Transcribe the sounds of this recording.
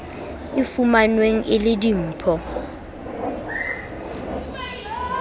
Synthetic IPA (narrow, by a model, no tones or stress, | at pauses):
ɪfumanweŋ̩ʔɪlɪdim̩ːpʰɔ